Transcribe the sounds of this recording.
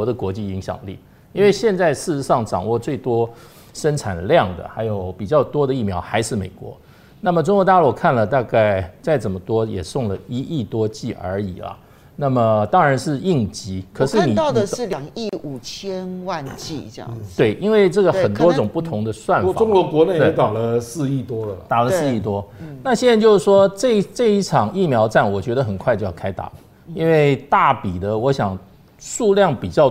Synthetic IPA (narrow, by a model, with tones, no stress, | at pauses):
ɔ˧˥d̪ə˨kwɔ˧˥t͡ɕi˥˩i˧˥ŋɕjɑ̰˨˩ŋlḭ˥˩ | i˥nwe˥˧ɪɕjɛ˥˧nt͡sa˥˧ɪʂɻ̩˥˩ʂ̩˧˥ʂɑ˥˩ŋʈ͡ʂɑ̰˨˩ŋwɔ˥˧t͡swe˥˩ɪt̪wɔ˥ | ʂə˥nʈ͡ʂʰa̰˨˩nljɑ˥˩ŋd̪ə̰˩xa˧˥ɪjo˧˦ʊpi˨˩t͡ɕjɑ˥˩ʊt̪wɔ˥d̪ə˨i˥˩mjɑ˧˥ʊxa˧ɪʂɻ̩˥˩mḛ˨˩ɪkwɔ̰˧˦ | na˥˩mə˩ʈ͡ʂʊ˥ŋkwɔ˧˥t̪a˥˧lwɔ˥˧˩kʰa˥˩nlə˩t̪a˥˧ka˥˩ɪt͡sa˥˩ɪt͡sə˨˩nmə˦t̪wɔ˥jɛ̰˨˩sʊ˥˩ŋlə˩i˥ʔi˥˩t̪wɔ˥t͡ɕi˥˩ə̰˞˧˥ḭ˨˩lɐ̰˦ | na˥˩mə˩t̪ɑ˥ŋɻa˧˥nʂɻ̩˥˧i˥˩ŋt͡ɕi˧˥kʰɤ˨˧˩ʂɻ̩˥˩˥ni˨ɑ˥˩ʊd̪ə˨ʂɻ̩˥˩ljɑ˨˩ŋi˥˩u˨˩t͡ɕʰjɛ˥nwa˥˧nt͡ɕḭ˥˩˧jɑ̰˥˩t̪we˥˩ɪʔi˥nwe˥˧ɪʈ͡ʂɤ˥˩ɡə˩xə˨˩nt̪wɔ˥ʈ͡ʂʊ˨˩ŋpu˥˩t̪ʰʊ˧˥ŋd̪ə˧swa˥˩nfa˨ʊ˥ŋkwɔ˧˥kwɔ˧˦ne˥˩e˥t̪ɑ˨˩lə˦sɹ̩˥˧i˥˩t̪wɔ˥lə˨t̪a˨˩lə˦sɹ̩˥˧i˥˩t̪wɔ˥na˥˩ɕjɛ˥na˧nt͡ɕjo˥˧ʊʂɻ̩˥˩ʂwɔ˥ʈ͡ʂɤ˥˧˥ʈ͡ʂɤ˥˧i˥˩ʈ͡ʂʰɑ˨˩ŋi˥˩mjɑ˧˥ʊʈ͡ʂa˥˩nwɔ˨˩t͡ɕɥɛ˧˥d̪ə˧xə˨˩nkʰwa˥˧ɪt͡ɕjo˥˩jkʰa˥ɪt̪a̰˨˩ | i˦˥nwe˥˩ɪt̪a˥˩pi˨˩d̪ə˦wɔ˧˦˥ɕjɑ˨˩ŋ | ʂu˥˧ljɑ˥˩ŋpi˨˩t͡ɕjɑ˥˩ʊ